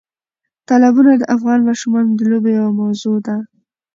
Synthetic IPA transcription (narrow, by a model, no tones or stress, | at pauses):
t̪ɑlabunad̪əʔafɣɑnmɑʃumɑnod̪əlobejawamawzod̪a